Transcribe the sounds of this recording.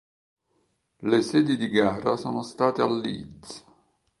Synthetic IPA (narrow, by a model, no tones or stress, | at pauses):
lesɛːd̪id̪iɡaːɾasoːnost̪aːt̪ealːḭd̪zḁ